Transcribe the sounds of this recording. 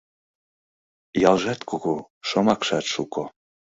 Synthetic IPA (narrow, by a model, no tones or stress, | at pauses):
jɑlʒɑt̪kʰoɣo | ʃomɑkʃɑt̪ʃuko